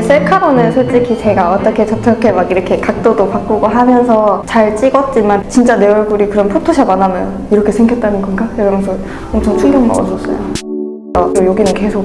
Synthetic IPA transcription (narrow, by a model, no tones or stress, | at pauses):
s͈eɭkʰaɾonɯnsʰoɭt͡ɕ͈ikʰisʰeɡaʌt͈ʌkʰe̞t͡ɕʌt͡ɕʰʌkʰemakiɾʌkʰe̞kak̚t͈odopak͈uɡoɦamjʌnsʰʌt͡ɕaɭt͡ɕ͈iɡʌt̚t͡ɕ͈imant͡ɕint͡ɕ͈aneʌɭɡuɾikɯɾʌnpʰotʰoɕʰamanamjʌn | iɾʌkʰe̞sʰe̞ŋɡjʌt͈̚anɯnɡʌnɡakeɡʌmjʌnsʰʌ | ʌmt͡ɕʰʌŋt͡ɕʰuŋɡjʌŋma̰ʌsʌs͈ʌjo | sʌojoɡinɯnke̞sʰok̚